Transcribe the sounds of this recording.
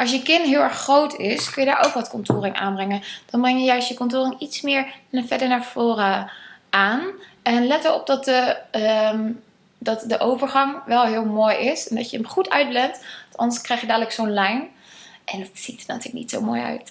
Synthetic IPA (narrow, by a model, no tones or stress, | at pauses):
ʔɑlˠs̬jəkɪnɦɪːlˠɛɹχrowtɪskɵnjədaːɹʔo̰wkʋɑtkɔntoːrɪŋʔa̰ːnbrɛŋənd̥ɑnbrɛŋjəjœɥstjəkɔntoːrɪŋitsmɪːɹfɛdəɹnaːɹv̥oːrəʔaːnʔɛnlɛtəɹɔ̰b̚dɑtə | dɑtdəʔowvəɹχɑŋʋɛlˠɦɪːlˠmoːjɪsɛndɑjəəmχutʰœ̰ɥt̚blɛntɑtɑ̰ndəɹskrɛjχjədaːdələksownlɛjn | ʔɛndɑtsitənatyːɹləknḭtso̰wmoːjœ̰ɥt